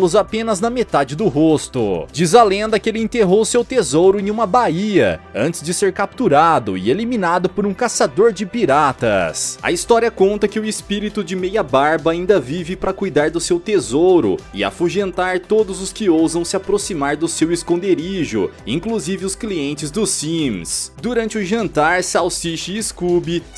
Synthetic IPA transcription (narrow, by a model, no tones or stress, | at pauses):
lʊzapẽnɐznɐmet̪ad͡ʒɪd̪ʊɦost̪ʊ̰d͡ʒizalẽnd̪ɐkɪelɪẽnt̪eɦowʊsewt̪ezowɾʊẽj̃ũmɐbaiɐ̰ɐ̰̃t͡ʃɪzd͡ʒɪseɾkap̚t̪uɾad̪ʊɪ̰elimĩnad̪ʊpoɾũkasad̪oɾd͡ʒɪpiɾat̪ɐ̰sɐ̰ist̪ɔɾiɐkõnt̪ɐkɪʊɪspiɾit̪ʊd͡ʒɪmejɐbaɾbɐaːĩnd̪ɐvivɪpɾɐkujd̪aɾd̪ʊsewt̪ezowɾʊ̰ɪa̰fuʒẽnt̪aɾt̪od̪ʊzʊskɪowzɐ̃w̃sɪapɾosimaɾd̪ʊsewɪskõnd̪eɾiʒʊ̰ĩŋkluzivɪʊskliẽnt͡ʃɪzd̪ʊsĩmsd̪uɾɐ̃nt͡ʃɪʊʒɐ̃nt̪aɾsawsiʃɪːskubi